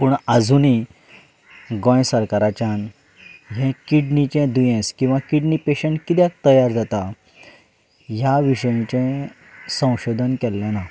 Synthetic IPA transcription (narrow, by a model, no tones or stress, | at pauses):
puɳad͡zʱuni | ɡɔ̃jsəɾkaɾat͡ɕjan | ɦɛ̃kiɖnit͡ɕɛ̃d̪ujɛ̃skĩw̃ʋakiɖnipeɕəɳʈkit̪jak̚t̪əjaɾd͡zat̪a | ɦjaʋiɕəjĩt͡ɕɛ̃ | sə̃w̃ɕod̪ʱənkɛlːɛ̃na